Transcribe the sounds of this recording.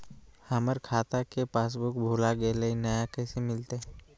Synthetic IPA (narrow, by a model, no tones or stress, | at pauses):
həməɾkʰaːt̪akepaːs̬bʊkbʱoːlaɡeləinɐjakɛːsemɪlt̪eɦ